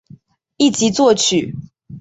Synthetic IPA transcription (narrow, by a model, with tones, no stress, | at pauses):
i˥˨t͡ɕi˨˦t͡swɔ˥˨t͡ɕʰy˨˩